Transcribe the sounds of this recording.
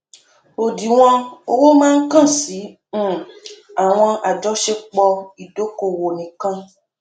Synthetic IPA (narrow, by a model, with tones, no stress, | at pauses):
o˨di˨w̃ɔ̃˧o˧wo˦mãː˦n̩˦kã˦˨sĩ˨˦˨ | a˨w̃ɔ̃˧ʔa˨d͡ʒɔ˨˦ʃe˦k͡pɔ˧i˨do˦ko˧˨wo˨nĩ˨kã˧